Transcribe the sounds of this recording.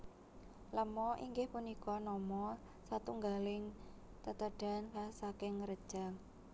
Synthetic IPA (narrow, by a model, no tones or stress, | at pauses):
ləmɔʔḭŋɡɪhpunikɔnɔmɔ | sat̪uŋɡalɪŋ | t̪ət̪əɖ̥a̤nlasakɪŋɾəd̥ʒ̥a̤ŋ